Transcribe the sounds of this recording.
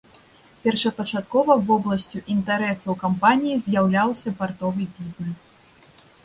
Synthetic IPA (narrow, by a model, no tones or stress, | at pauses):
pʲɛrʂɐpɐt͡ʂat̪kɔvɐvɔblˠɐsʲt͡sʲuʔint̪aɾɛsɐwkampanʲijizʲjawlʲawsʲɐpart̪ɔvɨbʲizʲnɛs